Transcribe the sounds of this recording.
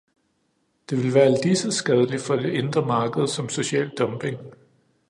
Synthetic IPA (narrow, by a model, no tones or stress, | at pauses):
d̥e̝ʋe̝lʋæːɐld̥isəsɡ̥ɛð̞ˠəlifɒ̽d̥e̝ʔe̝nd̥ʁɐmɑ̈ːɡ̥əð̞̩ˠsɒ̽mso̝ɕɛ̰ːld̥ɒ̽mb̥e̝ŋ